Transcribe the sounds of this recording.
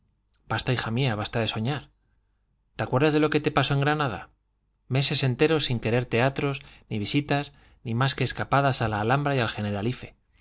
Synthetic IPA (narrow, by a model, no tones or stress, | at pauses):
b̥ast̪aixamiaβast̪aðe̞so̞ɲaɾ | t̪eakwe̞ɾðazðe̞lo̞ke̞t̪e̞paso̞e̞ŋɡɾanaða̰ | me̞se̞se̞nt̪e̞ɾo̞siŋke̞ɾe̞ɾt̪e̞at̪ɾo̞zniβ̞isit̪az | nimaske̞ːskapað̞asalaːlambɾajalxe̞ne̞ɾalife̞̥